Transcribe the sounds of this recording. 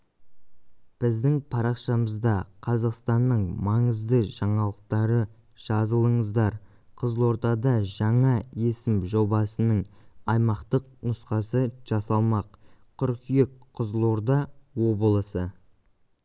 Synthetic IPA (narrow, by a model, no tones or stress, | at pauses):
b̥ɪzd̪ɪŋpʰɑɾɑqʃɑməzd̪ɑqʰɑzɑqst̪ɑnːəɴmɑɴəzd̪əʒɑɴɑlˠəq̚t̪ɑɾə | ʒ̥ɑzəlˠəɴəzd̪ɑɾ | qʰəzlˠo̞ɾd̪ɑd̪ɑʒɑɴɑe̞sɪmʒo̞bɑsənəɴɑjmɑqt̪əq̚nʊsqɑsəʒ̥ɑsɑlˠmɑqqʰʏɾkijekqʰːəzlˠo̞ɾd̪ɑwo̞bəlˠəsə